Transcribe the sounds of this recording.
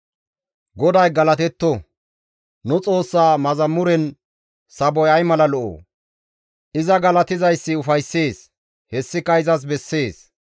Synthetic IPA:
ɡɔd̪ɐjɡɐlɐt̪ɛt̪ːɔ | nʊt͡sʼo̞ːsːaːmɐzɐmːʊɾɛn | sɐbɔjɐjmɐlɐlɔʔo̰ː | ʔɪzɐɡɐlɐt̪ɪzɐjsːɪʊfɐjsːe̞ːs | hɛsːɪkːɐɪzɐs̬bɛsːe̞ːs

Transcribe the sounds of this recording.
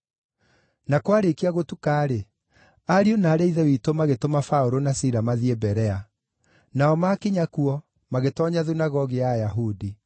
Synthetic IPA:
nakwaɾekiaɣotukaːɾe | aɾionaːɾeiðɛwitomaɣetomafaoɾonasiɾamaðiebɛɾɛa | naɔmakeɲakuɔ | maɣetɔɲaðunaɣɔɣiajaɦudi

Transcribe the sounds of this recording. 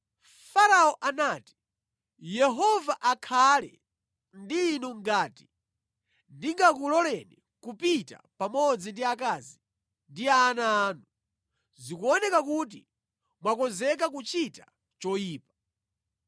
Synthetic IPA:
faɾaɔʔanaːti̥ | jɛɦɔvaʔakʰalɛ̰ | ndiːnuŋɡaːti̥ | ndiŋɡakulɔlɛni | kupita̰pamɔd͡zindiakazi | ndiaːnaːnu | zikuɔnɛkakut̬i | mwakɔzɛk̬akut͡ʃita | t͡ʃɔjiːpḁ

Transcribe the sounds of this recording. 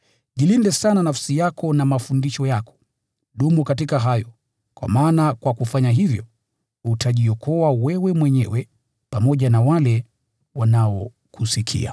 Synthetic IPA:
ʄilindɛsananafsijakʰɔnamafundiʃɔjakɔ̥ | ɗumukat̬ikaɦajɔ | kwa̰maːnakwakufaɲaɦivjɔ | utʰaʄiɔkɔawɛwɛmwɛɲɛwɛ | pamɔʄanawalɛ | wanaɔ | kusikʰḭa̰

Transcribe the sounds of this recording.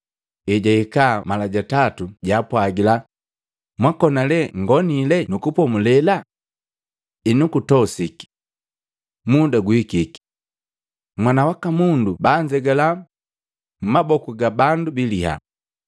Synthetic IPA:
ɛɟaikaːmalaɟatatuɟapwaɡila | mwakɔnalɛŋɡɔnilɛnukupɔmulɛla | inukutɔsiki̥ | mudaɡuikiki̥ | mwanawakamundubaːɲd͡ʒɛɡala | m̩mabɔkuɡabandubiliha̰

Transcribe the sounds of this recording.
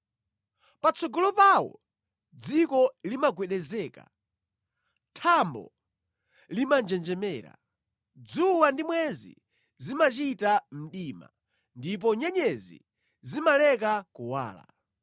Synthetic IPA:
pat͡sɔɡɔlɔpawɔ̰ | d͡zikɔlimaɡwɛɗɛzɛːka̰ | tʰambɔ̰ | limand͡ʒɛnd͡ʒɛmɛːɾa̰ | d͡zuwandimwɛzḭ | zimat͡ʃitam̩ɗiːma̰ | ndip̬ɔɲɛɲɛzḭ | zimalɛk̬akuwa̰ːla̰

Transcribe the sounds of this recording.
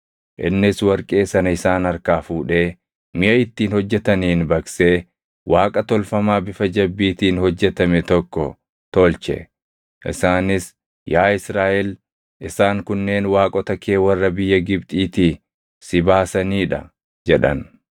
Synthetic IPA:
ʔɪ̰nːɪswɐɾkʼe̞ːsɐnɐɪsaːnɐɾkaːfuːᶑe̞ː | mɪʔɐɪt̪ːiːnhɔd͡ʒːɛt̪ɐniːnbɐkseː | wʔaːkʼɐt̪ɔlfɐmaːbɪfɐd͡ʒɐbːiːt̪iːnhɔd͡ʒːɛt̪ɐmɛt̪ɔkːɔ | t̪olt͡ʃɛ̰ | ʔɪ̰saːnɪs | jaːɪsɾaːʔɛl | ʔɪsaːŋkʊnːe̞ːnwaːkʼɔt̪ɐkʰe̞ːwɐrːɐbɪjːɐɡɪbt̪ʼiːt̪iː | sɪbaːsɐniːᶑɐ̰ | d͡ʒɛᶑɐ̰n

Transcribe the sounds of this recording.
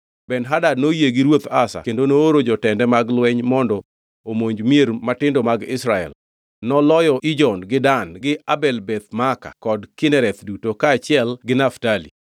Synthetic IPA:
bɛnɦadadnojeɡiɾwot̪asa̰kendonoːɾod͡ʒɔtɛndɛmaɡlwɛɲmɔndɔ | omoɲd͡ʒmjeɾmatɪndɔmaɡɪsɾaɛ̰l | nɔlɔjɔʔɪd͡ʒɔnɡɪdanɡɪabɛlbɛt̪̚maka̰kɔdkɪnɛɾɛt̪dutokaːt͡ʃɪɛlɡɪnaftalḭ

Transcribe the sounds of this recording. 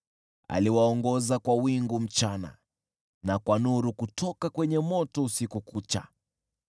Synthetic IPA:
a̰liwaɔŋɡɔzakwawiŋɡum̩t͡ʃana̰ | nakwanuɾukutɔkakwɛɲɛmɔtɔusikukut͡ʃa̰

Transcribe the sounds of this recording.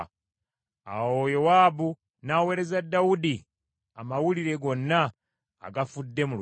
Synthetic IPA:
a̰wojowabu | naweɾezadawudi | amawuliɾe̞ɡo̞nːa̰ː | ɡafudːe̞mul

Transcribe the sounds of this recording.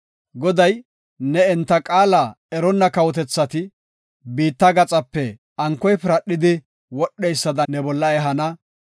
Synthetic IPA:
ɡɔd̪ɐj | nɛɛnt̪ːɐkʼaːlɐ | ɛɾɔnːɐkɐwɔt̪ɛt͡sːɐt̪ɪ | biːt̪ːɐɡɐt͡sʼɐpːɛ | ɐŋkːɔjpɪɾɐɗːɪd̪ɪ | wɔɗːɛjsːɐd̪ɐnɛbɔlːɐɛɦɐnɐ

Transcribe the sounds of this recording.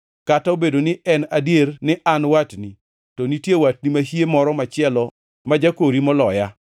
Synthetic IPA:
kataobedonɪɛnadjernɪʔanwatni | tɔnitjewat̚nimaɦijemɔɾɔmat͡ʃɪɛlɔ | mad͡ʒakoɾimɔlɔja

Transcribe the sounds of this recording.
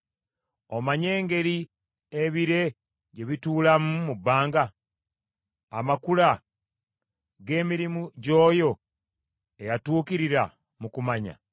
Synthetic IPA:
omaɲe̞ːŋɡe̞ɾi | eβiɾe̞ | ɟe̞βituːlamumubːaːŋɡa | a̰makula | ɡe̞ːmiɾimuɟo̞ːjo̞ | ejatuːkiɾiɾa̰ | mukumaɲa̰

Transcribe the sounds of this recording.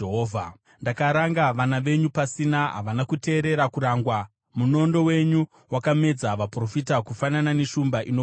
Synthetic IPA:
eɦoːvʱa | ndakaɾaŋɡaʋanaʋe̞ɲupasinaɦa̰ʋanakute̞ːɾe̞ɾakuɾaːŋɡwa | muno̞ndo̞we̞ɲu | wakame̞d͡zaʋapro̞fitakufananane̞ʃumbaʔino

